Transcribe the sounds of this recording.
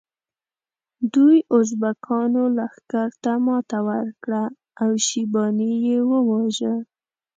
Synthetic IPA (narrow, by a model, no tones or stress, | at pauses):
d̪ujozbakʰɑnolaxkaɾt̪amɑt̪awəɾkɽaː | wʃibɑnijewəwɑʒə